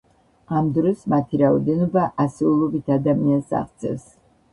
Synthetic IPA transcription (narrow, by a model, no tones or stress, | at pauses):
amd̪ɾɔsmat̪ʰiɾaɔd̪ɛnɔbaʔasɛulˠɔbit̪ʰad̪amiansa̰χt̪sʰɛ̰s